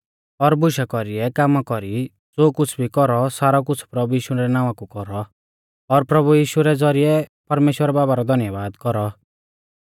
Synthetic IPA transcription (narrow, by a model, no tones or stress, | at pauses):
ɔɾbʊʃakɔɾiɛkamakɔɾi | d͡zoːkʊt͡sʰbʱikɔɾɔsaːɾak̬ʊt͡sʰpɾɐbujiːʃuɾɛnãːʋakukɔɾɔ | ɔɾpɾɐbujiːʃuɾɛd͡zɔɾiɛpɐɾmeːʃwəɾɛbaːbaɾɔd̪ʱɐnjəbaːd̪kɔɾɔ